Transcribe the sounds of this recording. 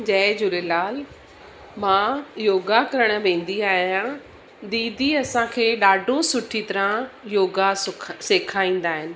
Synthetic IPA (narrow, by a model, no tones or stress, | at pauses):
d͡ʑɛːd͡ʑʊlelaːl | mãːjoːɡakɐɾəɽ̃ə̆ʋẽːn̆d̪iaːɦijã | d̪iːd̪ʱiɐsãkʰeːɗaːɖʱosʊʈʰit̪ɐɾãjoːɡasʊseːkʰaːĩːn̆d̪aːɦɪnɪ̆